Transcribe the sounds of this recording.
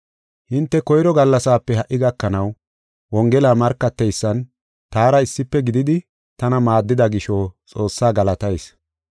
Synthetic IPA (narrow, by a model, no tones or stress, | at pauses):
hɪnt̪ːɛkɔjɾɔɡɐlːɐsaːpːɛhɐʔːɪɡɐkːɐnɐw | wɔŋɡɛlaːmɐɾkːɐt̪ːɛjsːɐn | t̪aːɾɐɪsːɪpːɛɡɪd̪ɪd̪ɪ | t̪ɐnɐmaːd̪ːɪd̪ɐɡɪʃoːt͡sʼo̞ːsːaːɡɐlɐt̪ɐjs